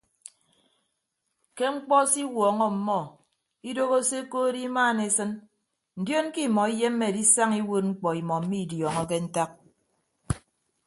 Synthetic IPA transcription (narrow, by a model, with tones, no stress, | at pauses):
ke˦ŋ͡m̩˦k͡pɔ˦si˦wɔː˨ŋɔ˦m̩˨mɔ˦˨ | i˦do˦ɣo˦se˦koː˦di˦maː˦˨ne˨˦sɨ˦n | n̩˨djo˦n˦ki˦˨mɔ˨i˦je˦m̩˦me˦˨di˦sa˦ŋi˦wo˦t̚ŋ͡m̩˦k͡pɔ˨i˨mɔ˨m̩˦mi˦˨djɔ˨ŋɔ˦ke˦n̩˦ta˦k̚